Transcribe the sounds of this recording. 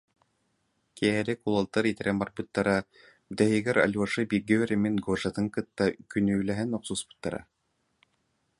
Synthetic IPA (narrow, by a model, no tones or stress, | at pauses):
kiɦɛɾɛkulˠalˠt̪ːaɾit̪ɛɾɛnbaɾbɯt̪ːaɾa | d̪ɛɦiɡɛɾa̰lʲuaʂɯbiɾɡɘœɾɛminɡoʐat̪ɯŋkɯt̪ːakynyːlɛɦɛnɔqsuːsbɯ̥t̪ːaɾa̰